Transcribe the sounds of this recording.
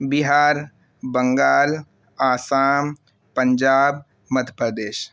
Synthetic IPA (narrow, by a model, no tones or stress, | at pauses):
biɦaːɾ | bəŋɡaːl | aːsaːm | pəɲd͡ʒaːb | mət̪ʰəpɾəd̪eːʃ